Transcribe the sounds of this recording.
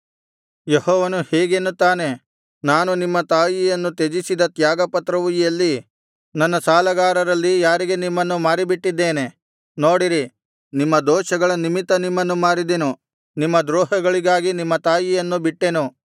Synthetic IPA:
jehɔːʋɐnuhɛːɡenːut̪aːne̞ | naːnunimːɐt̪aːjijɐnːut̪ed͡ʒisid̪ɐt̪jaːɡɐpɐt̪ɾɐʋujijɐlːi | nɐnːɐsaːlɐɡaːɾɐɾɐlːijaːɾiɡe̞nimːɐnːumaːɾibiʈːid̪ːe̞ːne̞ | noːɽiɾi | nimːɐd̪ɔːʃɐɡɐɭɐnimit̪ɐnimːɐnːumaːɾid̪enu | nimːɐd̪ɾɔːɦɐɡɐɭiɡaːɡinimːɐt̪aːjijɐnːubiʈːe̞nu

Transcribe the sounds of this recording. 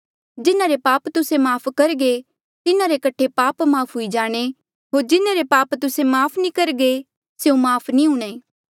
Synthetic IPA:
d͡ʒɪnãɾepaːpt̪ʊsemaːpʰkɐɾɡe | t̪ɪnãɾekɐʈʰepaːpmaːpʰɦʊid͡ʒaːɽ̃e | ɦoːɾd͡ʒɪnaɾepaːpt̪ʊsemaːpʰnikɐɾɡe | seõmaːpʰnĩɦʊɽ̃eː

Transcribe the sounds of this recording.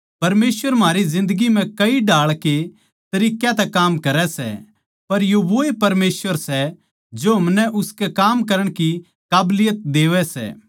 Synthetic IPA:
pɐɾmeːsʋəɾmɦaːɾizɪ̃nd̪əɡim̤ɛ̃kɐiɖaːɭke | t̪ɐɾiːkjãt̪ɛkaːmkɐɾɛsɛ̰ | pɐɾjoʋoːepɐɾmeːsʋəɾsɛ | d͡ʒoɦɐmnɛʔʊskɛkaːmkɐɾəɽ̃ki | kaːblɪjət̪̚d̪eːʋɛsɛ̰ː

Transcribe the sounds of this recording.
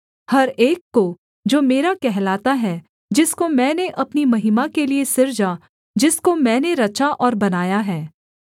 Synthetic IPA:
hɐɾeːkːo | d͡ʒoːmeːɾakɛɦlaːt̪aɦɛ | d͡ʒɪskomɛ̃ːneʔɐpnimɐɦɪmakeliesɪɾd͡ʒa | d͡ʒɪskomɛ̃ːneɾɐt͡ʃaʔɔːɾbɐnaːjaɦɛː

